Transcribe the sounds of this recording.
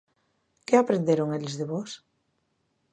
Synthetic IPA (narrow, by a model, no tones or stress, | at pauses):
keapɾend̪eɾoŋelzðeβɔs